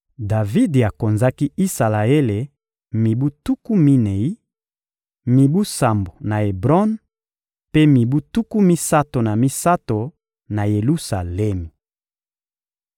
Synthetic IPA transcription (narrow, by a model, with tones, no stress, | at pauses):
da˨vi˦de˨a˨ko˨nza˦ki˦i˦sa˨la˨e˦le˨ | mi˨bu˦tu˦ku˦mi˦ne˨i˦ | mi˨bu˦sa˨mbo˨na˨e˨bʁɔ˦n | pe˦mi˨bu˦tu˦ku˦mi˦sa˦to˨na˨mi˦sa˦to˨ | na˨je˨lu˦sa˨lɛ˦mi˨